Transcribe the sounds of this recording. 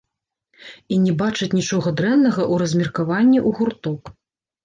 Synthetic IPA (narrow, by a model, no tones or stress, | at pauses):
inʲɛbat͡ʂɐt͡sʲnʲit͡ʂɔɣɐd̪ɾɛnnɐɣɐʔuɾɐzʲmʲirkavanʲːiʔuɣurt̪ɔk